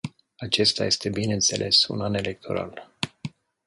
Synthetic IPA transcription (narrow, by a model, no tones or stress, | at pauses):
at͡ʃe̞st̪a̰je̞st̪e̞bine̞nt̪se̞̰lʔe̞sṵnane̞le̞k̚t̪ʰo̞̰ɾa̰l